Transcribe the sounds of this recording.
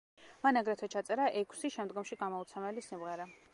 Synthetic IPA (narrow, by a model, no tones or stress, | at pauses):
manaɡɾɛt̪ʰɛt͡ʃʰat̪sʼɛɾaʔɛkʰsiʃɛmd̪ɡɔmʃiɡamɔut̪sʰɛmɛlisimʁɛɾa